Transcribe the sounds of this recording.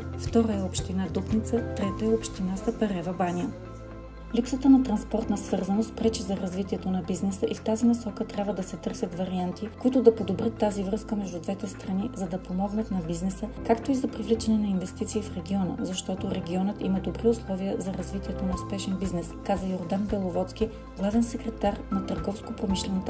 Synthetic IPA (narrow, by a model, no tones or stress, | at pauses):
ft̪ɔɾəɛopʃt̪inad̪upnit̪sət̪ɾɛt̪əɛopʃt̪inasɐpɐɾɛvɐbaniə | lipsət̪ənɐt̪ɾɐnspɔɾt̪nɐsvɤɾzɐnost̪̚pɾɛt͡ʃizɐɾɐzvit̪iɛt̪onɐbiznɛsəʔift̪azinɐsɔkət̪ɾʲabvəd̪ɐsɛt̪ɤɾsʲət̪vɐɾiant̪ikoit̪ʊd̪ɐpod̪obɾət̪ːazivɾɤskəmɛʒd̪ud̪vɛt̪ɛst̪ɾɐnizɐd̪ɐpomɔɡnət̪nɐbiznɛsəkakt̪oizɐpɾivlit͡ʃɛnɛnɐinvɛst̪it̪siːfɾɛɡʲiɔnə̰zɐʃt̪ɔt̪oɾɛɡʲiɔnət̪iməd̪obɾiʊslˠɔviəzɐɾɐzvit̪iɛt̪onɐʊspɛʃɛnbiznɛskazəjoɾd̪anbɛlˠovɔt̪sk̟i | ɡlˠavɛnsɛkɾɛt̪aɾnɐt̪əɾɡɔfskopɾomiʃlɛnot̪